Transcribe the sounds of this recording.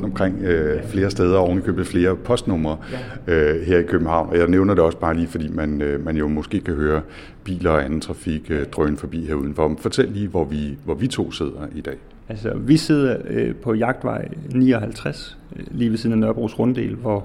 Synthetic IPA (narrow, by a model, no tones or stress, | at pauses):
ɔnd̥ɒ̽mkʰʁeŋ̰øfle̝ːɐsd̥eːð̞ˠɐɒʊnlikʰøːb̥ð̩ˠfle̝ːɐpʰɒ̽sd̥nɔ̽mɐːøɦeɐ̰ikʰøb̥n̩hɑ̈ʊ̰nʔɒjäɪneʊnɐd̥eɒ̽səb̥ɑ̈ːliːfɒ̽d̥ḭːmænmænjo̝mɔ̽sɡ̥e̝̰ːkʰæɦøːɐ | b̥ḭːlɐɒænn̩t͡sʰʁɑ̈fiɡ̥ød̥ʁœːn̩fɒ̽b̥ḭːɦeɐuðˠn̩fɒ̽fɒ̽t͡sʰel̰liːʋɒʋiʋɒʋit͡sʰo̝̰ːse̝ð̞̰ˠɐid̥ɛ̰ː | ælsəʋise̝ð̞̰ˠɐpʰɒ̽jɑ̈ɡ̥̚d̥ʋɑ̈ɪ̰nḭːɒɦælt͡sʰʁas | liːʋesiðˠn̩nːɶɐb̥ʁṵsʁɔ̽nd̥e̝̰ːlʋɒ